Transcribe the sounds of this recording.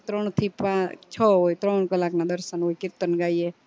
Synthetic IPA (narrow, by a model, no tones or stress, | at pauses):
t̪ɾɔɳ̃t̪ʰipãt͡ʃʰɔoit̪ɾɔɳ̃kəlaknad̪əɾsənoikiɾt̪ənɡaje